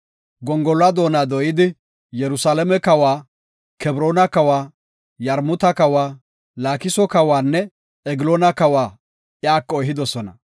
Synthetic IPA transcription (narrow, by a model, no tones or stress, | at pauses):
ɡɔŋɡɔlɐd̪o̞ːnad̪ɔjɪd̪ɪ | jɛɾʊsalɛmɛkɐwaː | kɛbɾoːnɐkɐwaː | jɐɾmʊt̪ɐkɐwaː | laːkɪsɔkɐwaːnːɛ | ɛɡɪloːnɐkɐwaː | jaːkːɔjɦɪd̪ɔsɔnɐ̰